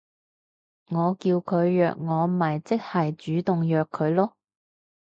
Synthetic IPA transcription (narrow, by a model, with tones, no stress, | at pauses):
ŋɔː˨˧kiː˧wkʰɵ˨˧ɥjœ̰ː˨k̚ŋɔː˨˧m̩˨mɐ˨˩jt͡sɪ˥k̚hɐ˨jt͡ʃyː˨˥t̪ʊ˨ŋjœː˨kʰːɵ˨˧ɥlɔː˥